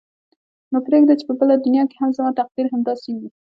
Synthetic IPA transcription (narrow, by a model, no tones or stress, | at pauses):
nopɾeɡd̪at͡ʃe̥pəbəlad̪ʊnjɑkehamzamɑt̪aq̚d̪iɾɦamd̪ɑsewi